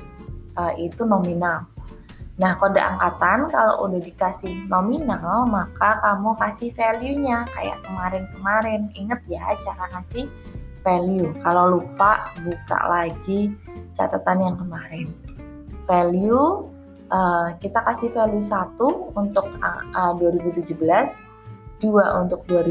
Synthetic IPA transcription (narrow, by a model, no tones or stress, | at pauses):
ʔəːit̪unominal | nahkodaʔa̰ŋkat̪ankalo̰ʔṵdahdikasɪhnominalmakakamukasɪhfeliuɲaka̰ja̰ʔkəmaɾɪnkəmaɾɛniŋət̪̚jat͡ʃaɾakasɪh | feliukalolupaʔbuka̰ʔlaɡit͡ʃa̰t̪at̪anjaŋkəmaɾɪn | feliu | ʔəkit̪akasɪhfeljus̬at̪uunt̪ʊk̚əduaɾibut̪ud͡ʒubəlas | d̥uaʔunt̪ʊk̚duaɾi